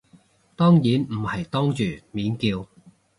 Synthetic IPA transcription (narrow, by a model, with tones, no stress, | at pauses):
t̪ɔː˥ŋjiː˨˥nm̩˨˩hɐ˨˩jt̪ɔː˥ŋt͡ʃyː˨˩miː˨˥nkiː˧w